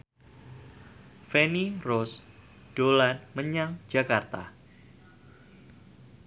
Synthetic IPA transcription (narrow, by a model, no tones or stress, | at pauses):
fɛnirɔs | d̥olanməɲaŋd͡ʒakart̪a̰